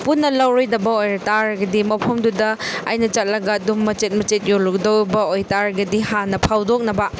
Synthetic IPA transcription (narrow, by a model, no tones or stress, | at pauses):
punːɐlɐwɾojdɐbɐojɾɐtaɾɐɡɐdimɐpʰɐmdudɐːjnɐt͡ʃɐt̚lɐɡɐdumːɐt͡ʃet̚mɐt͡ʃet̚jolukdɐwbɐojtaɾɡɐdiɦanːɐpʰawdok̚nɐbɐ